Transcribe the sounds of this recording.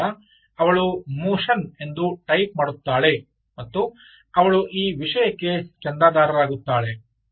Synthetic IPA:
ɐ | ɐʋɐɭumoːʂɐne̞nd̪uʈɐjp̚maːɽut̪ːaːɭe̞ | mɐt̪ːu | ɐʋɐɭuʔiːʋiʂɐjɐkːe̞t͡ʃɐnd̪aːd̪aːɾɐɾaːɡut̪ːaːɭe̞

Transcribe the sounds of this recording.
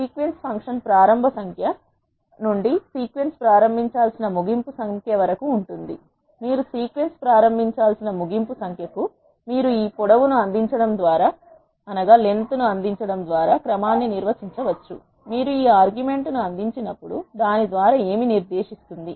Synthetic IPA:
siːkʋe̞nspʰɐŋkʂɐnpɾaːɾɐmbʱɐsɐŋkʰjɐ | nuɳɖisiːkʋe̞nspɾaːɾɐmbʱiɲt͡ʃaːlsinɐmuɡimpusɐŋkʰjɐʋɐɾɐkuːɳʈund̪ḭ | miːɾusiːkʋe̞nspɾaːɾɐmbʱiɲt͡ʃaːlsinɐmuɡimpusɐŋkʰjɐku | miːɾuiːpɔɽɐʋunuɐnd̪iɲt͡ʃɐɽɐmd̪ʋaːɾaː | ɐnɐɡaːlent̪unuɐnd̪iɲt͡ʃɐɽɐmnd̪ʋaːɾaːkɾɐmaːnːiniɾʋɐt͡ʃiɲt͡ʃɐʋɐt͡ʃːṵ | miːɾuiːaːɾɡjume̞ɳʈnuɐnd̪iɲt͡ʃinɐpːuɽud̪aːnid̪ʋaːɾaːe̞ːminiɾd̪e̞ːʂist̪und̪i

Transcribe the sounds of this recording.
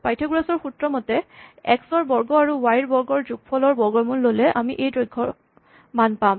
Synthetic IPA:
pajtʰɔɡɹasɔɹxutɹɔmɔtɛɛksɔɹbɔɹɡɔaɹuwajɹbɔɹɡɔɹzuɡ̚pʰɔlɔɹbɔɹɡɔɹmunlolɛʔamiʔejdɹɔjɡʰʱːɔ | manpam

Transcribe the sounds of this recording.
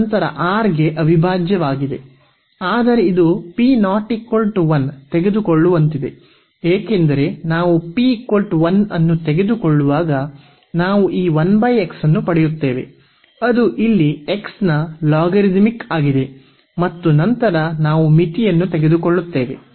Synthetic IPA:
nt̪ɐɾɐ̰ʔaːɾɡe̞ʔɐbʱibʱaːd͡ʒjɐʋaːɡid̪e̞̰ | aːd̪ɐɾe̞id̪upiːnaːʈikːolʈʋɐnt̪eɡe̞d̪ukoɭːuʋɐnt̪id̪e̞ | eːke̞nd̪ɐɾe̞naːʋupikolʈʋɐnɐnːut̪ɛɡe̞d̪ukoɭːuʋaːɡɐ | naːʋuʔiːʋɐnbɐjeksɐnːupɐɽɛjut̪ːe̞ːʋe̞̰ | ɐd̪uʔilːieksnɐlaːɡɐɾizɐmikaːɡid̪e̞ | mɐt̪ːunɐnt̪ɐɾɐnaːʋumit̪ijɐnːut̪ɛɡe̞d̪ukoɭːut̪ːe̞ːʋḛ

